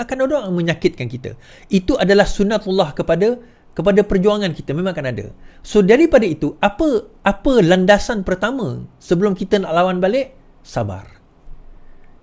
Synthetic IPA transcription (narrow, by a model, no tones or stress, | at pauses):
akanodɔŋmə̃ɲãkɪt̪̚kankit̪ə̰ | it̪uʔadalahsunːat̪ulːahkəpadə | kəp̬adapərd͡ʒuaŋãnkit̪əmẽmãŋakanadə̰sodaɾipadait̪uapəapəlandasanpərt̪amə̰̃səbəlʊmkit̪ənaʔlawanbalɪʔ | saba̰r